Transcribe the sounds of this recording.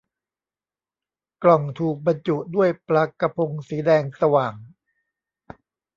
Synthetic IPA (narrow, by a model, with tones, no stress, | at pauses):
klɔ˨˩ŋt̪ʰuː˨˩k̚ba˧nt͡ɕu˨˩du˥˩əjpɾa˦˧ka˧pʰo˧ŋsiː˩˦dɛː˧ŋsa˧waː˨˩ŋ